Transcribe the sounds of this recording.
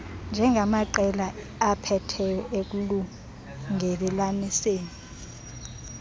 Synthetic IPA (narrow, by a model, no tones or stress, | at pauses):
nd͡ʒʱɛŋɡʱamaǃɛlaː | pʰɛtʰɛjɔʔek̬ulu | ŋɛrilaniseːni